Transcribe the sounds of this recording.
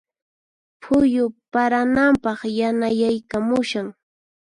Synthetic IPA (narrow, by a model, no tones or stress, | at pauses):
pʰʊjʊpaɾanampɑχjanajajkamʊʃaŋ